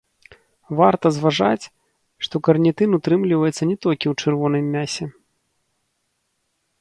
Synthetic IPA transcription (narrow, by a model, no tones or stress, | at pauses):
vart̪ɐzvaʐa̰t͡sʲ | ʂt̪ɔkɐrnʲɛt̪ɨnut̪ɾɨmlʲivɐjɛt̪sːɐnʲɛt̪ɔlʲkʲiwt͡ʂɨrvɔnɨjmʲːasʲɛ